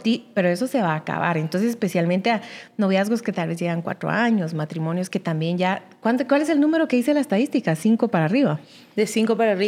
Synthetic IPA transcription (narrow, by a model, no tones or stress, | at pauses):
t̪ipe̞ɾoe̞so̞se̞βaːka̰βa̰ɾe̞nt̪o̞nsesespe̞sjalment̪eano̞β̞jazɣo̞ske̞t̪alβe̞zʝe̞ɣaŋkwa̰t̪ɾo̰aɲo̞smat̪ɾimõ̞njoske̞t̪ambje̞nɟ͡ʝa | kwant̪okwales̬e̞lnũme̞ɾo̞ke̞ðiselaest̪aðist̪ikasiŋko̞paɾaːriβa | d̪esiŋkopaɾari